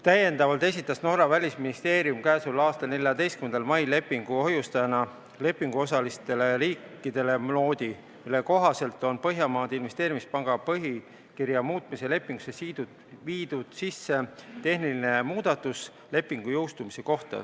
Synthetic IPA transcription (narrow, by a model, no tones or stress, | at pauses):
t̪æje̞nd̪ɑvɑlt̪es̬ʲit̪ːˑɑsno̞ɾɑvælʲisminist̪e̞ːɾjumkæːsulɑːst̪ɑlne̞ljɑd̪e̞jst̪kymend̪ɑlmɑjle̞pːˑiŋɡ̥uo̞ɦjust̪ɑjɑnɑ | le̞pːˑiŋɡ̥uo̞sɑlist̪e̞le̞ɾiːkːˑid̪̥e̞le̞mlo̞ːd̪i | milːe̞ko̞ɦɑse̞lt̪ːˑo̞npɤɦjɑmɑːd̪̥inve̞st̪eːɾimispɑŋɡ̥ɑpɤɦi | kirjɑmuːt̪ˑmise̞le̞pːˑiŋɡ̥usesiːd̪ud̪ | viːd̪̥ud̪̥sisːe̞t̪e̞hniline̞muːd̪̥ɑt̪ːus | le̞pːˑiŋɡ̥ujo̞wst̪umise̞ko̞ht̪ɑ̰